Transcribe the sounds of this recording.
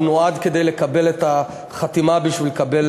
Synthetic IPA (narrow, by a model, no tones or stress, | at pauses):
noad̪ke̞d̪ejlekabe̞let̪a | χat̪imabiʃvilekabel